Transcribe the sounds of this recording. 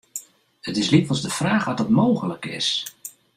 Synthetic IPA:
ətɪslitʋlˠzdəfraːχʋɔt̚dətmowɣələkɪ̰s

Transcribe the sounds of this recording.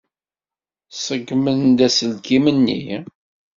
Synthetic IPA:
səɡmənd̪æsəlkimənːḭ

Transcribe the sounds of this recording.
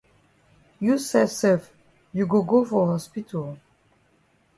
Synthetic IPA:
jusɛsɛf | juɡoɡofɔhɔspitʰəl

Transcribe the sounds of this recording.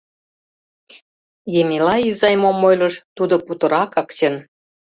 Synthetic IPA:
jemʲilɑizɑjmomːojlə̆ʃt̪ud̪ŏput̪ə̆ɾɑkɑkt͡ɕən

